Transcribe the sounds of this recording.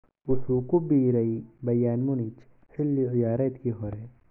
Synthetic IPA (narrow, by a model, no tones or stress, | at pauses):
usukubiɾɐibɐjaːnmunit͡ʃ | hilːiijaːɾɐt̪kiɦoɾe